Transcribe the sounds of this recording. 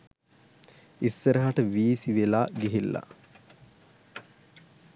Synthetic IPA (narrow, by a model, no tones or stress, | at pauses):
isːəɾəɦaʈəʋiːsiʋelaːɡiɦilːa̰